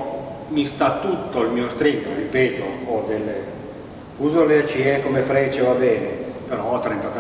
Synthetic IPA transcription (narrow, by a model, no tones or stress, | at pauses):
mist̪at̪ːut̪ːoilmiːost̪ɾiɡa̰ripɛːt̪ood̪elːe | uːzoleat͡ʃiɛkːomefɾɛːt͡ʃevabɛːnḛpeɾɔɔt̪ːɾent̪at̪